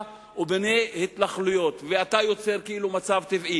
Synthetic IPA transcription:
obenehet̪laχlujo̞t̪veat̪ajo̞t͡se̞ʁkeilumat͡savt̪ivʔi

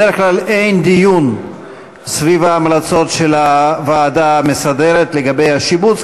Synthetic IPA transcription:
eʁeχklale̞jnd̪ijun | svivaːmlat͡so̞tʃe̞lavaːdamesade̞ɾe̞t̪le̞ɡabe̞jaʃibut͡s

